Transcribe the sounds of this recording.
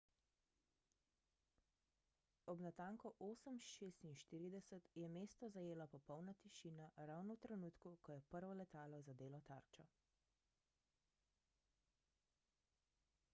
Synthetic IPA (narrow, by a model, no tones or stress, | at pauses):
ɔbnat̪aːŋkɔʔoːsəmʃeːst̪inʃt̪iːɾid̪ɛsət̪jɛmeːst̪ɔzajeːlapɔpɔwnat̪iʃiːnaɾawnɔwt̪ɾɛnuːt̪kukɔjɛpəɾʋɔlɛt̪aːlɔzad̪eːlɔt̪a̰ɾt͡ʃɔ